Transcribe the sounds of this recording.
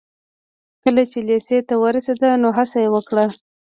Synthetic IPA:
kəlat͡ʃeleset̪awəɾased̪anoɦasajewəkɽa

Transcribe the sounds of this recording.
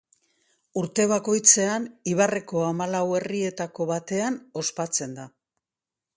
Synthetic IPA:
uɾt̪e̞β̞ako̞jt͡se̞aniβare̞ko̞amalawe̞rie̞t̪ako̞βat̪e̞ano̞spat͡se̞nd̪a

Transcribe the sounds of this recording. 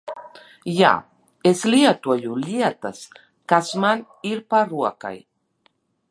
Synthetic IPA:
ja̰ | esliat̪uajuliat̪as | kasman | iɾpaɾua̰ka̰j

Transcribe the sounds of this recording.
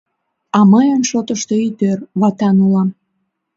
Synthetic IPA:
ɑməjənʃot̪əʃt̪eit̪ørβɑt̪ɑnulɑm

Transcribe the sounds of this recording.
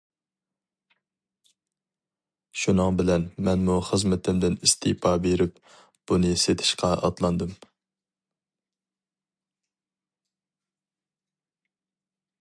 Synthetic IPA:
ʃunɨŋbɪlɛnmɛnmuχəzmɪt̪ʰɪmd̪ɪnist̪ʰɪpʰɑbeɾɪp̚ | b̥unɨset̪ʰɪ̥ʃqʰɑɑ̰t̪lˠɑnd̪ɨm

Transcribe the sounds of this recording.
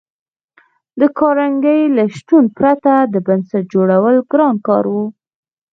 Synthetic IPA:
d̪əkɑɾaŋɡəjlaʃt̪unpɾat̪ad̪əbansat̪̚d͡ʒoɽawəlɡɾɑnkɑɾwu

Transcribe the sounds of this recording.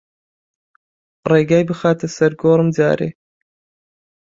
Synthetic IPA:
reːɡaːjbɨxaːt̪ʰɐsɐɾɡoːɾɨmda̰ːɾḛ

